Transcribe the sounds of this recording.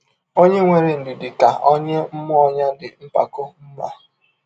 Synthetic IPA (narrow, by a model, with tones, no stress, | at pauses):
o˦ɲe˦ŋʷe˨ɾe˨n̩˨dɪ˨dɪ˨ka˨ʔɔ˦ɲe˦m̩˦mʊ˦ɔ˦ɲa˦dɪ˨m̩˦pa̰˨ko˦m̩˦ma˦